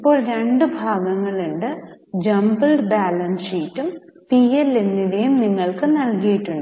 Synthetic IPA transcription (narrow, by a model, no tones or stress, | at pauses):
ipːo̞ːɭɾe̞ɳɖɨbʱaːɡɐŋːɐɭuɳɖɨd͡ʑɐmbɐlɖbaːlɐnsitːumpielːenːiɽejumniŋːɐɭkɨnɐlkijiʈːuɳɖɨ